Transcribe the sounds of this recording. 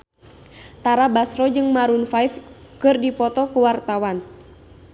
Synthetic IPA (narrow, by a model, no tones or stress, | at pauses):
t̪aɾabasɾɔd͡ʒɨŋmaɾunfajf | kɨrdipɔt̪ɔkuwart̪awan